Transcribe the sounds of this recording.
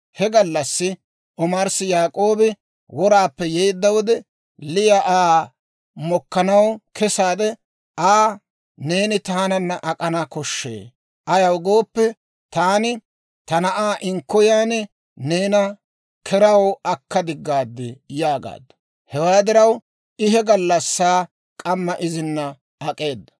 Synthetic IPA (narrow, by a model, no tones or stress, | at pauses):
hɛɡɐlːɐsːɪ | ʔɔmɐɾsɪjaːkʼo̞ːbɪ | wɔɾaːpːɛjejd̪ːɐwɔd̪ɛ | lɪjɐʔaː | mɔkːɐnɐwkɛsaːd̪ɛ | ʔaː | ne̞ːnɪt̪aːnɐnːɐʔɐkʼɐnaːkɔʃːḛː | ʔɐjɐwɡo̞ːpːɛ | t̪aːnɪ | t̪ɐnɐʔaːʔɪŋkːɔjaːnɪ | ne̞ːnɐ | kʰɛɾɐwɐkːɐd̪ɪɡːaːd̪ːɪjaːɡa̰ːd̪ːɐ̥ | hɛwaːd̪ɪɾɐw | ɪɦɛɡɐlːɐsːaː | kʼɐmːɐʔɪzɪnːɐ | ɐkʼe̞ːd̪ːɐ̥